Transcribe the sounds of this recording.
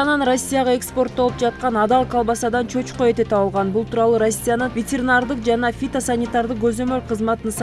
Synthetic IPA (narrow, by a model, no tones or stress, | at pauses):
nɑnro̞sʲːijaʁɑe̞kspo̞rt̪̚ːo̞lˠupd͡ʒɑt̪̚qɑnɑd̪ɑlˠkʰɑlˠbɑsɑd̪ɑnt͡ʃʰø̞t͡ʃqoe̞t̪et̪ɑlˠʁɑnbulˠt̪uːɾɑlˠuɾo̞sʲːijanɯnvʲetʲeɾʲɪnard̪ɯqd͡ʒɑnɑfʲit̪osanʲɪt̪ɑɾd̪ɯq̚ɡɵzø̞mø̞lqʰɯzmɑt̪ɯns